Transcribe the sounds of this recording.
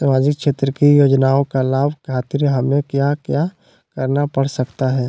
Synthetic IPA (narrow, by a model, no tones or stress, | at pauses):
səmaːd͡ʒɪkʃeːt̪ɾəkijoːd͡ʒnaːõkalaːbʱkʰaːt̪ɪɾɦɐmẽkjaːkjaː | kɐɾnapɐɽ̤sɐkt̪aɦɛː